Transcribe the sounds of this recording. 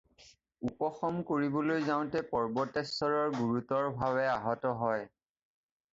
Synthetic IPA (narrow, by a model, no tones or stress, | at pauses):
upɔxɔmkoɹibɔlojzaʊ̃tɛpɔɹbɔtɛsɔɹɔɹɡuɹutɔɹbʱaβɛaɦɔtɔɦɔj